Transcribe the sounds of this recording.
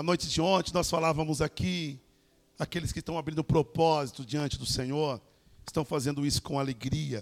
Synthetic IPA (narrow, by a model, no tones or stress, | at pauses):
anojt͡ʃɪd͡ʒɪõnt͡ʃɪnɔsfalavɐ̃mʊzaki | akelɪskɪst̪ɐ̃w̃abɾĩnd̪ʊpɾopɔzit̪ʊd͡ʒiɐ̃nt͡ʃɪd̪ʊsẽɲoɾ | ɪst̪ɐ̃w̃fazẽnd̪ʊisʊ̥kõaleɡɾiɐ